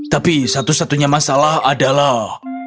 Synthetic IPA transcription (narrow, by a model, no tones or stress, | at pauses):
t̪apisat̪usat̪uɲamasalahadalah